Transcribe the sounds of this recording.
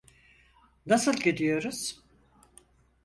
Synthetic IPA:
nasɯlʲˠɟed̪ijo̞ɾuz̥

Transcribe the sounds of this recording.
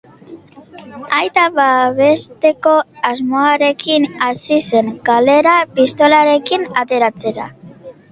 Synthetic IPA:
ajt̪aβaβe̞st̪e̞ko̞azmo̞aɾe̞kinasise̞ŋkale̞ɾapist̪o̞laɾe̞kinat̪e̞ɾat͡se̞ɾa̰

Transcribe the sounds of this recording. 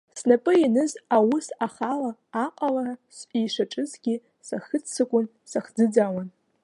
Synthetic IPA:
snapʼɨinɨzawʊsaχalaːqʼalaɾasʔʼiːʂaʈ͡ʂʼɨzɡʲi | saxɨt͡st͡sʰːɨkʷʼʊn | saχd͡zɨd͡zawan

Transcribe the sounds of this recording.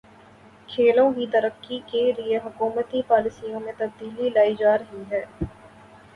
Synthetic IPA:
kʰeːlõkit̪ɐɾəkːikelieɦʊkuːmət̪ipaːlɪsijõmẽt̪ɐb̚d̪iːlilaːid͡ʒaːɾɦiɦɛː

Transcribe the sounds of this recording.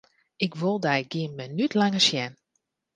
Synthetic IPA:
ɪkʋolˠdɛjɡiənmɛnytʰlaŋəsjɛn

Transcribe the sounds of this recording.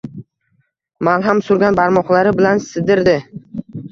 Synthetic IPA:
manɦamsʊɾɡʲanbaɾmɒχlˠaɾɪbɪlansɪd̪ɪɾd̪ɪ

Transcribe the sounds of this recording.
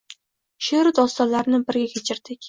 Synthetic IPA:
ʃeɾɪd̪ɒst̪ɒnlaɾnɪbɪɾɡʲakʲʰet͡ʃʰɪɾd̪̥ɪkʲ

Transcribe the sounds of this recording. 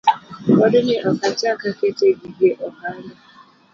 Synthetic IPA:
ɔdʊnɪʔɔkatɪakaketeɡiɡeʔɔmaɾɪ

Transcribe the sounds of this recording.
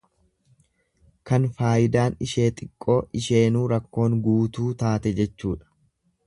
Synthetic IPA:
kɐnfaːjɪd̪aːnɪʃe̞ːt̪ʼɪkʼːo̞ːʔɪʃe̞ːnuːɾɐkːo̞ːŋɡuːt̪uːt̪aːt̪ɛd͡ʒɛt͡ʃːuːᶑɐ̥

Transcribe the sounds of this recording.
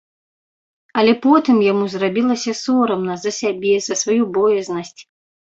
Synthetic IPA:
ɐlʲɛpɔt̪ɨmjamuzrabʲilˠɐsʲɐsɔɾɐmnɐzɐsʲabʲɛzɐsvajubɔjɛznɐsʲt͡sʲ

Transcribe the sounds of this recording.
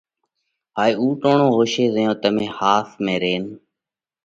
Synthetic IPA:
ɦaːiːuːʈoːɳõːɦoːʃeːzəjõːt̪əmẽːhaːsmẽːɾeːn

